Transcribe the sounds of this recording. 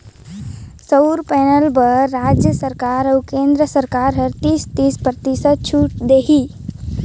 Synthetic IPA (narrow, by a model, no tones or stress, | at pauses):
səɾpɛnəlbəɾːad͡ʒjəsəɾkaːɾəwkẽnd̪ɾəsəɾkaɾɦəɾt̪ist̪ispɾət̪isəd̪̚t͡ʃʰuʈ̚d̪eːɦi